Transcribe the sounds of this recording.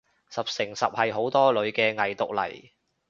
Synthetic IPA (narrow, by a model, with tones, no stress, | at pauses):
sɐ˨p̚sɪ˨˩ŋsɐ˨p̚hɐ˨jɦo˨˥wt̪ɔː˥lɵ˨˧ɥkɛː˧ŋɐ˨jt̪ʊ˨k̚lɐ̰˨˩j